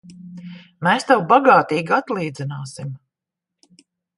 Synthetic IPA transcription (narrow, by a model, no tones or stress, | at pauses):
meːst̪awbaɡaːt̪iːɡat̪lˠiːd̪zinaːsim